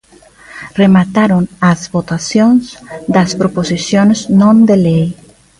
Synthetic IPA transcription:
remat̪aɾonazβot̪asjõnzd̪ɐspɾoposisjonznõnd̪elej

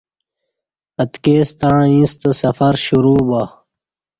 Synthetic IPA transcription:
ɐt̪keːst̪aɻ̃ĩst̪sɐfɐɾɕuɾuːba

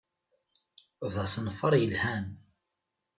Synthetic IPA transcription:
vðˤɑsnfəɾˤjəlhæn

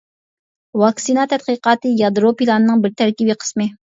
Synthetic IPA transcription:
wɑksinɑt̪ʰɛt̪̚qəqɑːt̪ɨjɑd̪ɾopilˠɑnɨnɨŋbɪɾt̪ʰæɾkʲibiqʰə̥smɨ

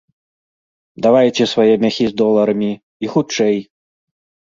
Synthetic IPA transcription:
d̪avajt͡sʲɛsvajɛmʲaxʲizd̪ɔlˠɐɾɐmʲi | ixut͡ʂɛj

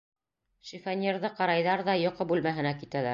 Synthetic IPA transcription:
ʃifænʲeɾðɤqɑɾɑjðɑɾðɑjŏqɤbʉlmæɦɘ̆nækit̪ælæ

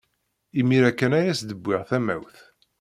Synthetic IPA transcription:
imiɾækːænæjæsd̪əbʷːɪʁθæmæ̰wθ

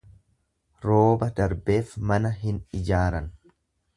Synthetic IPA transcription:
ɾo̞ːbɐd̪ɐɾbe̞ːfmɐnɐɦɪnɪd͡ʒaːɾɐn

